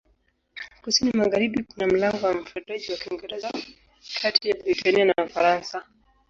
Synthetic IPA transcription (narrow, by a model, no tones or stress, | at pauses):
kusinimaɣaɾiɓikunam̩laŋɡɔwam̩futaʄiwakiŋɡɛɾɛza | kʰatijabɾitanianaufaɾansa